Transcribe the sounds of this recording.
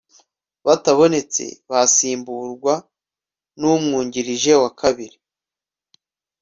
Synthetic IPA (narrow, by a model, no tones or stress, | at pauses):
βataβo̞ne̞t͡se̞̰βasiːmbuɾɡwa | numŋuːɲɟiɾiʒe̞wakʰaβiɾi